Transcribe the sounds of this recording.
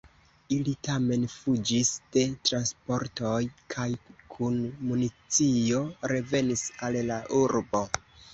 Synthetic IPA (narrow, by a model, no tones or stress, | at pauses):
ilitame̞nfud͡ʒisd̥e̞tɾanspo̞ɾtojkʰajkʰunmunit͡sio̞ɾe̞ve̞nisallaʔuɾbo̞